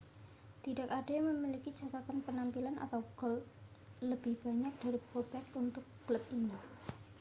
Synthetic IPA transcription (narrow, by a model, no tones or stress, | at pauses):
t̪ida̤kaɖ̥aməmilikid̥d͡ʒ̥a̤t̪akanpənampilana̰t̪awɡ̥ɔ̤l | ləb̥ɪhb̥a̤ɲak̚d̥aɾib̥ob̥ɛk̪unt̪ʊk̚ɡ̥ələp̚iɲi